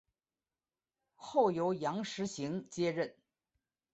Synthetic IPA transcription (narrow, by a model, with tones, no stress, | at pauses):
xo˥˩ʊjo˧˥ʊjɑ˧˥ŋʂɻ̩˧˥ɕi˧˥ŋt͡ɕjɛ˥ɻə˥˩n